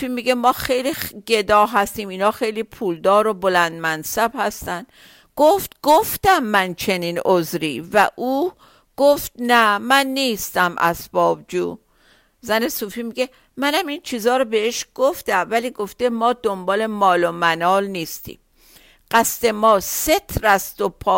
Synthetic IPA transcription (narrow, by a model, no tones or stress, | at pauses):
ufiːmiɡemɒːxejliɡe̞d̪ɒːɦæst̪iːmiːnɒːxe̞jliːpʰuːld̪ɒːɾobolænd̪̚mænsæbhæst̪ænd̪ | ɡ̥oft̪ɡ̥oft̪æmːænt͡ʃʰe̞niːnozɾiːvæʔuː | ɡ̥oft̪̚næmænːiːst̪æmʔæ̰sb̥ɒːbd͡ʒuː | zæne̞suːfiːmiɡe | mænæmint͡ʃʰiːzɒːɾobe̞eʃɡ̥oft̪æmvæliːɡo̞ft̪e̞mɒːd̪ombɒːle̞mɒːlomænɒːlniːst̪ḭːm | ɢ̥æst̪e̞mɒːset̪ʰɾæst̪opʰɒː